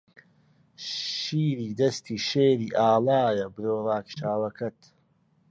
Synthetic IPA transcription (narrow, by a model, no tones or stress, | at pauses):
ʃiːɾiːd̪ɐst̪ʰiːʃeːɾiːʔaːlaːjɐbɨɾoːrˤɑːkʃaːwɐkʰɐt̪